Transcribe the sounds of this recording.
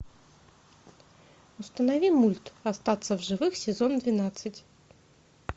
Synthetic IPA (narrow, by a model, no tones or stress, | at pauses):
ʊst̪ənɐvʲimulʲt̪ɐst̪at̪səvʐɨvɨxsʲɪzond̪vʲɪnat̪sɨtʲ